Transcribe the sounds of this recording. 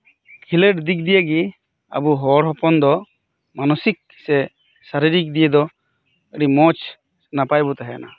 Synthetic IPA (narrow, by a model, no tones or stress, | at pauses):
kʰiləɖd̪ik̚d̪ijəɡi | a̰buɦɔɽɦɔpɔnd̪ɔ | manɔsik̚ | sɛ | saɾiɾik̚d̪ijed̪ɔ | əɾimɔt͡ʃ | napajbɔt̪aɦɛana̰